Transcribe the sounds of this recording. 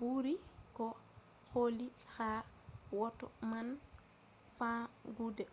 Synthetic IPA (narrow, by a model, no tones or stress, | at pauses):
b̥uɾikɔ | xoli | xa | wɔtːɔman | fãɡudɛ